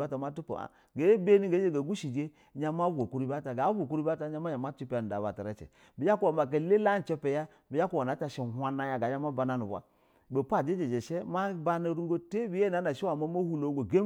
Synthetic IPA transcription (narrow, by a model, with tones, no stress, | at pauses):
a˦ta˨ma˦tu˦po̰˨a̰˨ | ɡe˨˦be˦ni˦ɡe˨˦d͡ʒe˦ɡa˨ɡu˦ʃi˨d͡ʒe˦ | ɲa˦ma˦bo˨ku˦ɾi˦ba˦ta˨ɡa˨˦o˨ku˦ɾi˦ba˦ta˨˦ɲa˦ma˦ɲa˨ma˦t͡ʃi˦pa˨n˨da˨βa̰˨ta˨ɾe˦t͡ʃɛ̰˨ | bi˨ja˦ku˦wa˨ma˨k̬e˨le˦la˦n̩˨t͡ʃɛ˦pɛ˨ja˦ | bi˨ja˦ku˦wa˨na˨˦ta˨ʃe˨hʷa˦na˦ja˨ɡa˨˦ɲa˦ma˦ba˨na˦nu˨bʷa̰˦ | be˨pa˦˨d͡ʒe˦d͡ʒe˨d͡ʒe˨ʃe˦ma˦ba˦na˦ɾu˦ŋɡo˦te˦bi˨je˦˨na˨˦na˨ʃi˦wa˨ma˦ma˦hu˦lo˨˦ɡo˨ɡe˦